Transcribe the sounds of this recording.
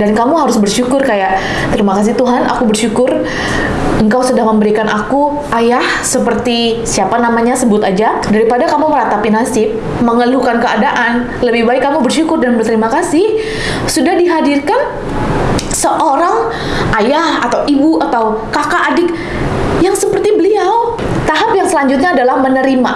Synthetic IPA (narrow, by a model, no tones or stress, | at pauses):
dankamuɦaɾʊsbərʃukʊrkajaʔ | t̪əɾimakas̬ɪt̪uɦanʔa̰kubərʃukʊr | əŋkawsədaŋməmbəɾikanʔaku | ʔajahsəpərt̪isiapanamaɲasəbʊt̪ad͡ʒadaɾipadakamuməɾat̪apinasɪp̚ | məŋəlukankəa̰daʔan | ləbɪhbaɪkːamubərʃukʊrdanbərt̪əɾimakasɪh | sudahdiɦadirkan | səʔoɾaŋ | ʔajahat̪awʔibuat̪aw | kakaʔadɪk̚ | jaŋsəpərt̪ibəliaw | t̪aɦapjaŋsəlaɲd͡ʒʊt̪̬̚ɲaːdalahmənəɾima